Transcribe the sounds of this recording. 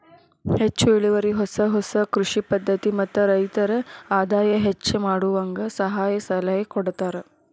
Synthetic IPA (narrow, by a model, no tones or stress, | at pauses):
het͡ʃːuiɭiʋɐɾiɦɔsɐɦɔsɐkɾuʂipɐd̪ʱːɐt̪imɐt̪ːɐɾɐjt̪ɐɾɐaːd̪aːjɐɦet͡ʃːɐmaːɽuʋɐŋɡɐsɐɦaːjɐsɐlɐjɐkɔɽt̪aːɾe